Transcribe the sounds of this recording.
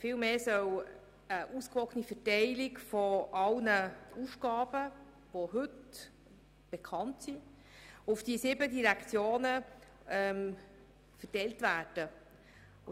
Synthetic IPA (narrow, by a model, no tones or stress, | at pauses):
fɪːlmeːsœw | əʔuskʋɔkənifətɛɪlɪkfɔʔɑlnəusɡ̥ɑːb̥ə | ʋoɦɵt | b̥ekʰɑntsi | ʊfd̥isɪːbədiɾækʰt͡sjoːnə | ɛm | fətɛɪltvæːd̥ə